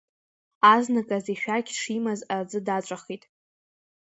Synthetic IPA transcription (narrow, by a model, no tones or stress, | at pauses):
aznakʼaziʃᶣaɡʲʂimazard͡zɨdat͡ʃʷʼaχitʼ